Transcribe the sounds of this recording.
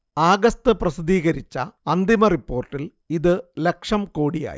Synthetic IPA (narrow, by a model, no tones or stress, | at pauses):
aːɡɐst̪ɨprɐsid̪iːɣɐɾit͡ɕːɐɐnd̪imɐripːo̞ːrʈːil | iðɨle̞kʂɐmko̞ːɽija̰ːjḭ